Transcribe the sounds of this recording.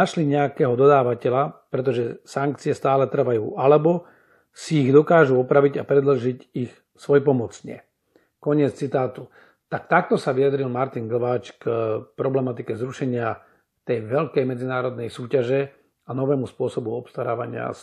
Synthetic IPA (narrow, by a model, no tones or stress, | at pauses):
aʃliɲɛakɛːɦɔd̪ɔd̪aːʋacɛlapɾɛt̪ɔʒɛsaŋk̚t͡siɛst̪aːlɛt̪r̩ʋajṵːʔalɛbɔ | siːɣd̪ɔkaːʒuɔpɾaʋiɟapɾɛd̪l̩ʒicix | sʋɔjɛpɔmɔt͡sɲɛ̰ | kɔɲɪɛt͡st͡sit̪aːt̪u | t̪akt̪ak̚t̪ɔsaʋijad̪ɾilmaɾt̪inɡl̩ʋaːt͡ʃkpɾɔblɛmat̪ikɛzɾuʃɛɲɪa | t̪ɛjʋɛʎkɛjmɛd͡zinaːɾɔd̪nɛjsuːcaʒɛ | anɔʋɛːmuspʊɔsɔbuɔpst̪aɾaːʋaɲɪa̰